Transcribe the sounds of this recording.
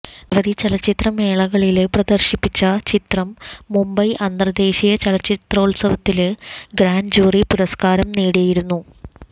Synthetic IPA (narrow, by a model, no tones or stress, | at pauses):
ʋɐd̪it͡ɕɐlɐt͡ɕːit̪rɐme̞ːɭɐɣɐɭilprɐd̪ɐrɕipːit͡ɕːɐt͡ɕit̪rɐmːumbɐjʔɐnd̪rɐd̪e̞ːɕijɐt͡ɕɐlɐt͡ɕːit̪rɐuɭsɐʋɐt̪ːilɡɾaːnd͡ʑuːripuɾɐskaːɾɐmneːɽijajiɾunːu